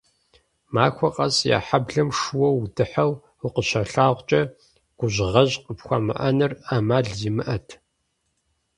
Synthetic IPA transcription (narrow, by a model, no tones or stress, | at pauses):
maːxʷɔqʼɐsja̰ːħabɮɐmʂuwɔwdɨħɐw | ʊqəɕɐɬaːʁʷt͡ʃʼɐ | ɡ̥ʷʊʑʁɐʑqəpxʷɐmɨ̰ʔɐnɨraːmaːɮziːmɨʔɐtʰ